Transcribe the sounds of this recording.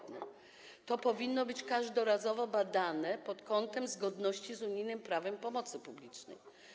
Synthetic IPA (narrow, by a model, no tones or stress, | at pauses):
nɛ̰ | t̪ɔpɔvʲinːɔbɘt͡ɕkaʐd̪ɔɾazɔvɔbad̪anɛpɔt̪kɔnt̪ɛmzɡɔd̪nɔɕt͡ɕizuɲijnɘmpɾavɛmpɔmɔt̪sɘpublʲit͡ʂnɛ̰j